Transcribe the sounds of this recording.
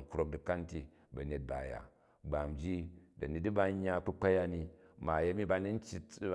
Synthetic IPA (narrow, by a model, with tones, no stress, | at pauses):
ŋ̩˨kɾo˦k̚di˨ka˦n˦ti˦ | bɐ˨ne˨t̚ba˨ja̰˨ | ɡ͡ba˨md͡ʒi˦dɐ˨ni˨di˦ba˧˦ɲːa˦k͡pu˦k͡pa˦ja˦ni˧ma˨ja˦mi˦ba˧ni˦n̩˦t͡ʃi˦t